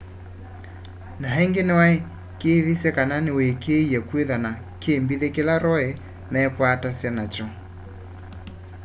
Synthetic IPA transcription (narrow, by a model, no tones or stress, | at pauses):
naɦɛŋɡenɪwae | keðisjɛkananɪwɛkeiakweðana | keːmbiðɛkelaɾɔɛ | nɛɛkwatasanat͡ʃɔ